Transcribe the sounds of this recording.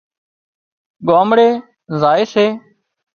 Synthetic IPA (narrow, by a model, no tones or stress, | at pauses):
ɠoːmɽeː | zaːeːseː